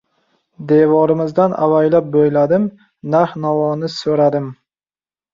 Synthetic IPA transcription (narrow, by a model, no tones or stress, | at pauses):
d̪e̞vɒɾɪmɪzd̪anʔa̰vajlap̚bojlad̪ɪm | nahnavɒnɪsɵɾad̪ɪm